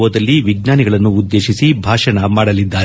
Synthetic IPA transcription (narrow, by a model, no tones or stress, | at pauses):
ɐd̪ɐlːiʋiɡnaːniɡɐɭɐnːuːd̪ːe̞ːʃisibʱaːʂɐɳɐmaːɽɐlid̪ːaːɾ